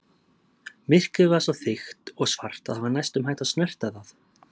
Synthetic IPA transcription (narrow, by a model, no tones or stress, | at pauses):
mɪr̥kʏvasaθɪxt̪ɔɣsvar̥t̪aðhavaɾnajst̪ʏmɦajt̪aðsnɛr̥t̪aðaθ